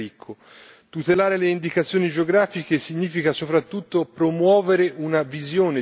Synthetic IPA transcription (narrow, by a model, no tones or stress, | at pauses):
ikʰːo | t̪ut̪elaːɾeleind̪ikat̪sːjoːnid͡ʒeoɡɾaːfik̟esiɲːiːfikasopɾat̪ːut̪ːopɾomwɔːveɾeʔunavizjoːne